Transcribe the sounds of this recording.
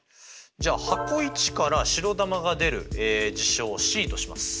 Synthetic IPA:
d͡ʑaːhako̞it͡ɕi̥kaɾaɕiɾo̞d̪amaɡad̪e̞ɾɯ̟̰eːd͡ʑiɕo̞ːɕiːt̪o̞ɕima̰sɨ̥

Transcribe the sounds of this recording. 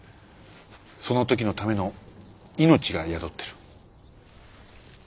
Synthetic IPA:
so̞no̞t̪o̞kʲino̞t̪ame̞no̞ | ino̞t͡ɕiɡajad̪o̞t̪ːe̞ɾɯ̟̥

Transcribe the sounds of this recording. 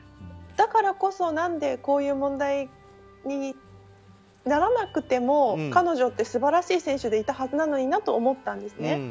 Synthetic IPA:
d̪̥akaɾako̞so̞nãnd̪e̞ko̞ːjɯ̟ːmõ̞nd̪ai | ɲ̟i | naɾanakɯ̟t̪e̞mo̞kano̞ʑo̞t̪ːe̞sɨbaɾaɕiːsẽ̞ɰ̃ɕɨd̪e̞it̪ahazɨnano̞ɲ̟inat̪o̞ːmo̞t̪ːãnd̪e̞sɨne̞

